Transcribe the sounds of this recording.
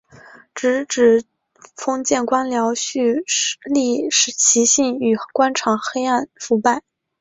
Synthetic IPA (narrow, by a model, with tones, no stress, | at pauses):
ʈ͡ʂɻ̩˧˥ʈ͡ʂɻ̩˨˩ | fɤ˥ŋt͡ɕjɛ˥˩nkwa˥nljɑ˧˥ʊɕy˥˩li˥˩ʂ̩˧˥t͡ɕʰi˧˥ɕi˥˩ŋy˨˩kwa˥nʈ͡ʂʰɑ˨˥˩ŋxe˥ɪa˥˩nfu˧˥pa˥˩ɪ